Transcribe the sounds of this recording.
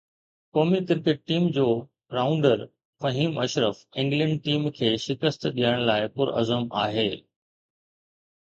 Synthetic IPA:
kɔːmikɪɾkəʈ̚ʈiːmd͡ʑoː | ɾaːʊ̃ɳɖəɾ | fɐɦiːmɐʃɾəfɪ̃ŋɡlə̃ɳɖ̚ʈiːmkʰeːʃɪkəst̪ɗijəɽ̃laːɪpʊɾɐ̰zəma̰ːɦeː

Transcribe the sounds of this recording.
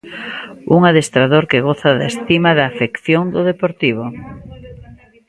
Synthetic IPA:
uŋaðest̪ɾaðoɾkɪɣoθaðaest̪imaðɐːfekθjoŋd̪ʊðepoɾt̪iβ̞ʊ

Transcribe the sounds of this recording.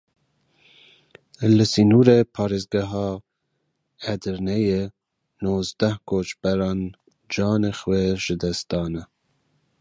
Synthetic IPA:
lɨsinuːɾepʰɑːɾezɡɛɦɑ | ɛd̪ɨɾnɛje | noːzd̪ɛhkʰoːt͡ʃbɛɾɑːn | d͡ʒɑːnexweʒɨd̪ɛst̪ɑːnɛ

